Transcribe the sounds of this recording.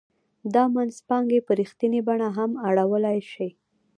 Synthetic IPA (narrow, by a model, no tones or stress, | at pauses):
d̪ɑmanzpɑŋɡepəɾixt̪inebaɳaɦamaɽawəlajʃij